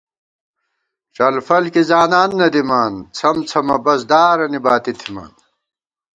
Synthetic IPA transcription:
ʈ͡ʂɐlfɐlkizaːnaːnːɐd̪imaːnt͡sʰɐmt͡sʰɐmɐbɐsd̪aːɾɐnibaːt̪it̪ʰima̰ːn

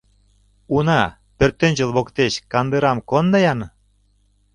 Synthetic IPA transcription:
unɑ | pørt̪ːɘ̆nʲd͡ʑə̆lβokt̪eɕkɑnd̪ɯɾɑmkond̪ɤjɑn

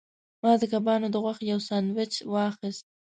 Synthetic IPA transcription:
mɑd̪əkabɑnod̪əɣwaxt̪jawsɑnwɪt͡ʃwɑxəst̪̚

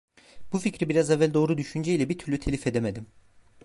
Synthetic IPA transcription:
buficɾibiɾazɛvːælʲd̪o̞ːɾud̪yʃynd͡ʒɛilʲɛbit̪ʰyɾlʲyt̪ʰelʲife̞d̪eme̞d̪im

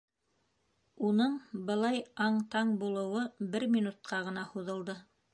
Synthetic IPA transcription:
unɤɴbɤ̆lˠɑjɑɴt̪ɑɴbulˠɤ̆wɤbɘɾmʲinut̪̚qɑʁɤ̆nɑhuðɤ̆lˠd̪ɤ

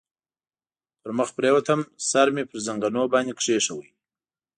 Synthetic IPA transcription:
t̪əɾməxpɾewat̪ʰəmsaɾmepəɾzaŋɡanobɑnd̪ikʂeʂɐwəj

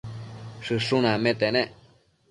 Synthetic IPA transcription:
ʂɨʂũnãmẽt̪enẽʔ

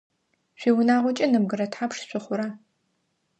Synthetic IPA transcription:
ʃʷiːwʊnaːʁʷɔt͡ʃʼɪnɨb̚ɡɨɾɐtħapʂɕʷɨχʷʊɾa

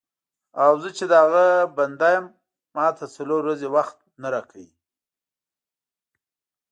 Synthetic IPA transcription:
awzət͡ʃed̪əaɣaband̪ajamː | ɑt̪ʰat͡saloɾːazewaxt̪̚naɾɑkʰəji

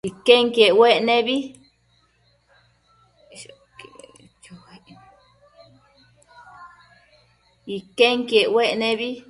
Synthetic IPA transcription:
ikeŋkieʔweʔnẽβi | ke | t͡ʃohaʔ | ikeŋkeʔweʔnẽβi

